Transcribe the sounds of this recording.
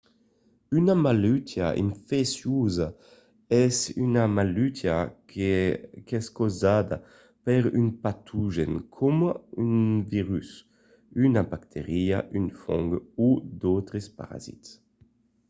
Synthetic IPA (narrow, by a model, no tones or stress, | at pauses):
ynamalyt̪ʰja̰ʔḭɱfesjuza | ɛsynamalyt̪ʰja | kɛskozad̪a | peɾynpat̪ʰuʒḛnkʰomynviʁys | ynabakt̪ʰeʁiaʔynfɔŋɡud̪owt̪ɾespa̰ɾa̰zḭt̪s